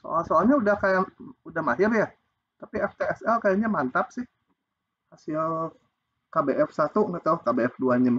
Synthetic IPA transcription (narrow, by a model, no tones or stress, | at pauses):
so̰alsoalɲaudahkajaŋudahmaɦɪrja | t̪apiɛft̪eɛsɛlkajaŋɲamant̪ap̚sɪh | hasɪl | kabeʔɛfsat̪uŋət̪auhkabeɛfduaɲam